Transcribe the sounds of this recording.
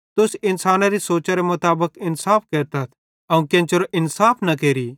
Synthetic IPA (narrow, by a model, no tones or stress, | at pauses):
t̪ʊsɪnsaːnaɾisoːt͡ʃaɾemʊt̪aːbəkɪnsaːpʰkeːɾt̪at̪ʰ | ɐũːkẽːnt͡ʃoɾoʔɪnsaːpʰnɐkeːɾi